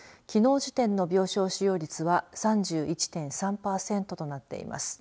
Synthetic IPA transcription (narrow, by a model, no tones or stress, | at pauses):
kʲino̞ːʑit̪ẽ̞nːo̞bʲo̞ːɕo̞ːɕijo̞ːɾʲit͡sɨβasãɲd͡ʑɨːit͡ɕi̥t̪ẽ̞ɰ̃sãmpaːsẽ̞nt̪o̞t̪o̞nat̪ːe̞̰ḭmʔa̰sɨ̥